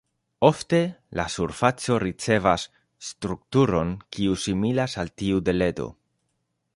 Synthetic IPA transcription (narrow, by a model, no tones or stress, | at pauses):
o̞fte̞la̰suɾfat͡so̞ɾit͡se̞vasː | tɾuk̚tuɾo̞nkiusimilasaltiude̞le̞do̞̰